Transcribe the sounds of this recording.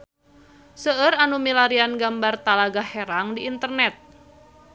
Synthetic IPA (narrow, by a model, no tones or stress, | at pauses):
səəɾanumilaɾianɡambart̪alaɡaheɾaŋdiːnt̪ərnɛt̪̚